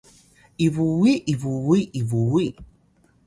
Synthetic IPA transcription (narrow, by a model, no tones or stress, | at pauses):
ivuiʔivuiʔivui